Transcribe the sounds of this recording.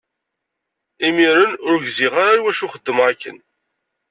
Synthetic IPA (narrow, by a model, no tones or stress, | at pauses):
imiɾənʊɾɡziʁaɾaiwæʃʊχəd̪ːəmʁakːə̰n